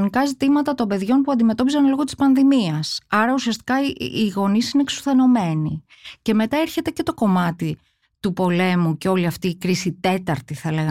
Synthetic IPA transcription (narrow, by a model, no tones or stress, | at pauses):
nikɐzit̪imɐt̪ɐt̪o̞mbe̞ðʝo̞npuɐnd̪ime̞t̪o̞p̬izɐnlo̞ɣo̞t̪i̥spɐnðimiɐsɐɾɐusiɐst̪i̥kɐiɣo̞nisine̞ksu̥θe̞no̞me̞ni | ce̞me̞t̪ɐeɾçe̞t̪e̞ce̞t̪o̞ko̞mɐt̪i | t̪upo̞le̞muce̞o̞liɐft̪iːkɾisit̪e̞t̪ɐɾt̪iθɐleɣɐ